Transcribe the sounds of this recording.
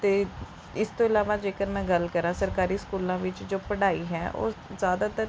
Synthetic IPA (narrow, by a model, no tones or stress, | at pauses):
t̪eː | ɪst̪õːɪlaːʋãːd͡ʒeːkəɾmɛ̃ːɡəlkəɾãːsəɾkaːɾiːskuːlãːʋɪt͡ʃd͡ʒoːpəɽaːiːɦɛːʔo̰ːzjaːd̪aːt̪ə